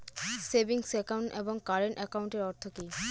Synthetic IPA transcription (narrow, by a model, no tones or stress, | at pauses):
sebiŋsɛkawɳʈḛboŋkaɾeɳʈɛkawɳʈeɾɔɾt̪ʰoki